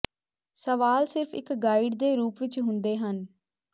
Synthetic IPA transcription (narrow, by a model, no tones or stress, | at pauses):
səʋaːlsɪɾpʰɪ̰kɡaːɪɖd̪eːɾuːpʋɪt͡ʃɦʊnd̪eːɦən